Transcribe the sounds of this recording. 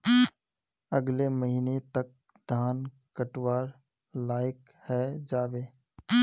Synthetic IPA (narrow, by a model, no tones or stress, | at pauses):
ɐɡleməɦiːnet̪ɐk̚ | d̪ʱaːn | kəʈwaːɾ | laːjɪk | hɛd͡ʒaːʋeː